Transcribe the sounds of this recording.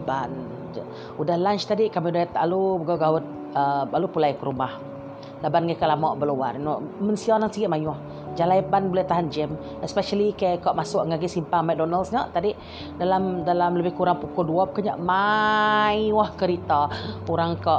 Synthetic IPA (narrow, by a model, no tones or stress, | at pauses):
ban | udahlant͡ʃt̪adɪʔkamidat̪alubəɡaɡawʊt̪̚ | əbalupulajkəɾumah | labanɡakalamɔʔbəluwarnɔʔmənsianaŋsəɡɪt̪ʔ̚majʊh | d͡ʒalajpanbulajt̪aɦand͡ʒɛm | ɛspɛʃalikajkɔʔmasʊʔŋaɡɪsimpaŋmɛk̚dɔnalsŋaʔt̪adɪʔ | dalamdalamləbɪhkuɾaŋpukʊlduɔp̚kaɲa̰ʔma | jwhkəɾit̪auɾaŋkɔʔ